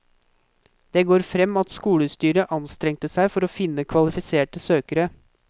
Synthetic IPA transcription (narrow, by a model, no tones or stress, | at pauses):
d̪̥ɛːɡoːɾfɾɛmːɑt̪skuːɽəst̪yːɾəʔɑnst̪ɾɛŋt̪əsæɪfɔɾoːfɪnːəkʰʋɑlɪfɪseːʈəsøːkəɾə